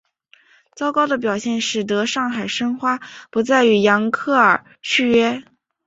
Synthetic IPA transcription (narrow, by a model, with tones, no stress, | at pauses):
t͡sɑ˥ʊkɑ˥ʊd̪ə˨p̬jɑ˨˩ʊɕjɛ˥˧nʂɻ̩˥˩t̪̬ɤ˧˥ʂɑ˥˩ŋxa˨˩ɪʂɤ˥ŋxwa˥pu˧˥t͡sa˥˩ɪy˧˥jɑ˧˥ŋkʰɤ˥˩ə˞˨˩ | t͡ɕʰy˥˧ɥɛ˥